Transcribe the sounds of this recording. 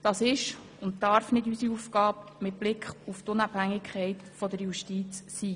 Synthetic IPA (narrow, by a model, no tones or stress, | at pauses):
d̥ɑːsɪʃ | ʊnttɑɾfnɪdysiuːfkɑːbmɪt̚b̥lɪkχuft̪ʊnɑb̥hæŋːɪkʰχɛɪtfɔd̪əɾjuʃtiːt͡sːiː